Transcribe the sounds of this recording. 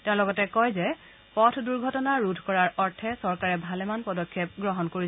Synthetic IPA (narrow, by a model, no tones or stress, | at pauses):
tɛ̃ʊ̃lɔɡɔtɛkɔjzɛ | pɔtʰduɹɡʱɔtɔnaɹudʱkɔɹaɹɔɹtʰɛsɔɹkaɹɛbʱalɛmanpɔdɔkʰːjep̚ɡɹɔɦɔnkoɹi